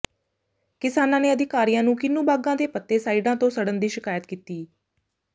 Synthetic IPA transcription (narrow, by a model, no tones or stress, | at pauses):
kɪsaːnãːneːəd̪ʱɪkaːɾijãːnũːkɪnːũːbaːɡãːd̪eːpət̪ːeːsaːiɖãːt̪õːsəɽənd̪iːʃɪkaːjət̪kiːt̪iː